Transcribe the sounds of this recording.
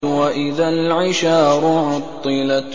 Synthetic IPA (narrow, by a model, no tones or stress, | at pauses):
waʔɪðalʕɪʃaːɾʊʕɑt̪ˤːɨla